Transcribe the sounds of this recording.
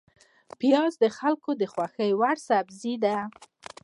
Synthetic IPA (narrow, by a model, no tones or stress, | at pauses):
pjɑzd̪əxalkod̪əxwaxəjwaɽsabzid̪a